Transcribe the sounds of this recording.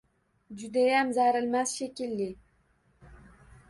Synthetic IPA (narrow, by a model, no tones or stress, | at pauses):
d͡ʒyd̪æjæmzæɾɪ̆lmæzʃekʲilːi